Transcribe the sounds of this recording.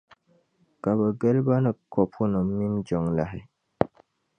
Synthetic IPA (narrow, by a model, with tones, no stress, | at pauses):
ka˨bɛ˨ɡə˦lba˦nɨ˨kɔ˨pʰʊ˦nɨ˨mi˦md͡ʒɔ˨ŋla˦ɦɪ˨